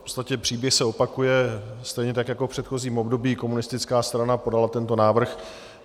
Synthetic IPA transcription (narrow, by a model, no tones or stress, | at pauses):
pot͡st̪acɛpr̝̥iːbjɛxsɛopakujɛst̪ɛjɲɛt̪akjako̞pr̝̥ɛt̪xo̞ziːmo̞bdo̞biːko̞munɪst̪ɪt͡skaːst̪ɾanapo̞dalat̪ɛnt̪o̞naːvr̩x